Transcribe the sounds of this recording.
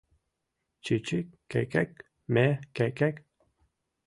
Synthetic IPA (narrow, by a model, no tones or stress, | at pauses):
t͡ʃʰit͡ʃʰikkːɛ̰kɛk̚ | mɛkɛkɛk